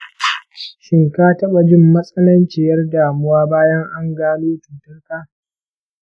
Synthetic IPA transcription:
ʃɪ˨ŋkaː˦tɐ˦ɓa˨d͡ʒɪ˦˨mːɐ˦sʼɐ˦nɐ˦nt͡ʃɪ˨jɐ˦rdaː˨mʊ˦waː˦baː˦jɐ˦ŋʔa˦ŋɡaː˦luː˦tuː˨tʊ˦rkaː˦

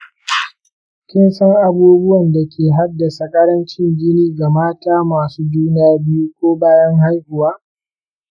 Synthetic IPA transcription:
kʲɪ˦nsɐ˦ŋʔa˨buː˦bʊ˦wɐ˨nda˨kʲʰeː˨ɦa˦da˨sa˨kʼɐ˦ɽɐ˦nt͡ʃɪ˦ŋɡʲɪ˦niː˦ɡa˨maː˦taː˦maː˨suː˦d͡ʒuː˦n˦aː˦bɪ˦ju˦kʷoː˦baː˦jɐ˦ŋɦa˦jhʊ˨waː˦

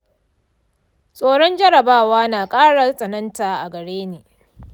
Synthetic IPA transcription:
sʼoː˦ɽɔ˦nd͡ʒɐ˦ɽɐ˨baː˦waː˦naː˨kʼaː˦ɽa˨sʼɐ˨nɐ˦ntaː˨ʔa˨ɡɐ˨ɽeː˦neː˨

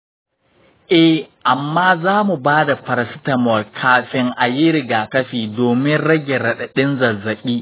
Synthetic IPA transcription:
ʔɛ˦hʔa˨mːaː˦zaː˦mu˨baː˦da˨ɸɐ˨ɾsɪ˦tɐ˨mɔ˨rkʰaː˦ɸɪ˦ŋʔa˨ji˦ɾɪ˨ɡaː˨kɐ˦ɸiː˨doː˨mɪ˦nɽɐ˦ɡʲe˨ɾɐ˨ɗɐ˨ɗɪ˦nzɐ˨zɐ˨kʲiː˦

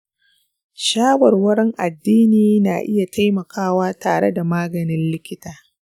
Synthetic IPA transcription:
ʃaː˦wɐ˨rwɐ˦ɾɛ˦ŋʔa̰˨dːiː˦niː˨na̰ː˨ʔɪ˦ja˨tʰa˦jmɐ˨kʰaː˦˨waː˦taː˨ɽḛ˦da˨maː˦ɡɐ˨nɪ˦nlɪ˦kʲɪ˦taː˨

